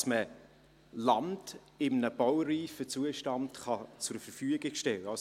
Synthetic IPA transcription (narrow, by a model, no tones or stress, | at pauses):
smə | lɑnd | ɪmnəb̥ɔwriːfət͡suəʃtɑntχɑt͡sʊɾfəɾfyəɡɪɡʃtɛləɑs